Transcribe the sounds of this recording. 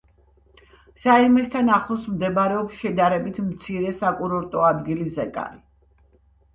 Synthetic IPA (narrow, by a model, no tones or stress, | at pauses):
saimɛst̪ʰanaχlˠɔsmd̪ɛbɾɛɔpsʃɛd̪aɾɛbit̪ʰmt̪sʰiɾɛsakʼuɾɔɾt̪ʼɔad̪ɡilizɛkʼa̰ɾi